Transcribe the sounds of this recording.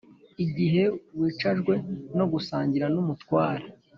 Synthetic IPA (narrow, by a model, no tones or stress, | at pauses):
iɟiɦe̞wiːt͡ʃaʒɡwe̞no̞ɡusaːɲɟiɾanumutwaːɾa